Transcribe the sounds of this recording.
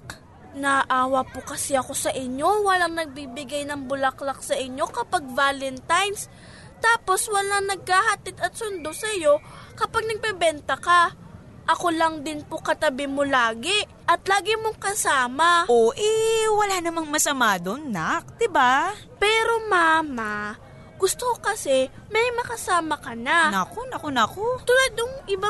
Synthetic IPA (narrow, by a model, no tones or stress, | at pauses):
nɐʔaːwɐpokɐsɪɐko̞sɐʔɪɲjo̞wɐlaŋnɐɡ̚biːbɪɡajnɐŋbʊlɐklak̚sɐʔɪɲːo̞kɐpaɡ̚vaːlɛnt̪ajns | t̪aːpo̞swɐlaŋnɐɡ̚kaːhɐt̪ɪd̪ɐt̪̚sʊnd̪o̞sɐjo̞kɐpaɡ̚nɐɡ̚pɛbɛnt̪ɐkɐ | ʔɐko̞lɐŋd̪ɪnpokɐt̪ɐbɪmolaːɡɪ | ʔɐt̪laːɡɪmoŋkɐsaːmɐʔoʔɛwɐlaːnɐmaŋmɐsɐmaːd̪onːak̚d̪̥ɪba | pɛːɾo̞maːma | ɡ̥ʊst̪okokɐsɛmɐjmɐkɐsaːmɐkɐnanɐkonɐkonɐkot̪ʊlad̪ʊŋʔɪba